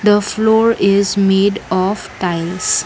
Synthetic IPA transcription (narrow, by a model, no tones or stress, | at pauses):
d̪əfloːɾɪzmeːɖɔʋʈaɪls